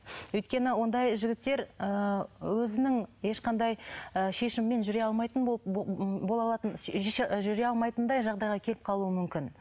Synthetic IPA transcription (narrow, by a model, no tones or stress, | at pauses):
wɵjt̪̚kʲe̞nɪwo̞nd̪ɑjʒɪɡʲɪt̪ːe̞ɾəwɵzɪnɪŋje̞ʃqʰɑnd̪ɑjəʃe̞ʃɪmːe̞nʒʏɾeɑlˠmɑjt̪ən | bo̞lˠɑlˠɑt̪ənʒʏɾeɑlˠmɑjt̪ənd̪ɑjʒɑʁd̪ɑjʁɑkʲʰe̞lɪp̚qʰɑlˠuəmʏmkʲɪn